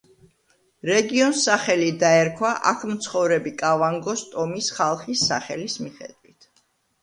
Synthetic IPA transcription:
ɾɛɡiɔnsaχɛlid̪aɛɾkʰwaʔa̰kʰmt̪sʰχɔvɾɛbikʼavaŋɡɔst̪ʼɔmisχalˠχisːa̰χɛlismiχɛ̰d̪̥wit̪ʰ

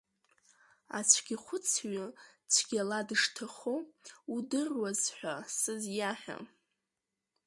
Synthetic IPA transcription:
a̰t͡sʷʰɡʲiχʷʊt͡sʰɥʊt͡sʷʰɡ̥ʲaladɨʂtʰaχoudɨrwazħʷᶣasɨzjaħᶣa̰

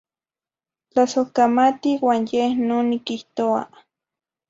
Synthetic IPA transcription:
t͡ɬasokamat̪iwaːnjehnonikiht̪oa̰

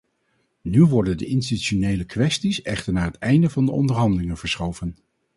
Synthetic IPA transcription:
nyʋɔɹdəndə̰ʔɪnstityʃonejləkʋɛstisɛχtəɹnaːɦətɛjndəvɑndəʔɔ̰ndəɹɦɑndəlɪŋənv̥əɹsχowvən

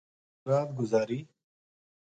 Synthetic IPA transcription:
ɾaːd̪ɡʊzaːɾi

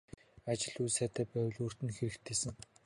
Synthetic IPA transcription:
at͡ɕɪ̆ɮuːsæːt̪ʰæːpæw̆ɮuːr̥t̪ɘ̆nxeɾɘ̆kt̪ʰːeːsɘ̆ŋ

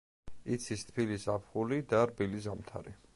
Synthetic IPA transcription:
it̪sʰist̪ʰpʰilisapʰχulid̪aɾbilizamt̪ʰa̰ɾḭ

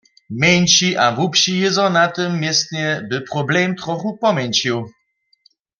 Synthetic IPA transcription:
mʲjɛɲt͡ɕiʔavupɕijɛzɔ̃nat̪ɪmːʲjɛst̪ɲɛbɘpɾɔblɛmt̪ɾɔxupɔmʲɛɲʲt͡ɕiw

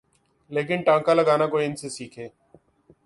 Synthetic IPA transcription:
leːk̬ɪnʈãːŋkaːləɠaːnaːkoːiːɪnseːsiːkʰeː

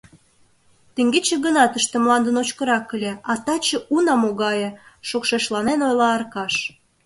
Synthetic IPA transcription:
t̪eŋɡet͡ɕĕɣənɑt̪əʃt̪ĕmlɑnd̪ənot͡ɕkə̆ɾɑkːəlʲeɑt̪ɑt͡ɕə̆unɑmoɣɑjĕʃokʃeʃlɑnenojlɑːrkɑʃ

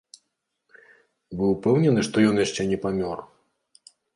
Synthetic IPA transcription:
bɨwpɛwnʲɛnɨʂt̪ɔjɔnjaʂt͡ʂɛnʲɛpamʲɔr

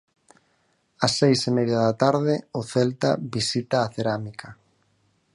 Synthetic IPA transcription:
asːejsemɛðjaðat̪aɾðɪʊθɛlt̪aβisit̪aːθeɾamikʰa

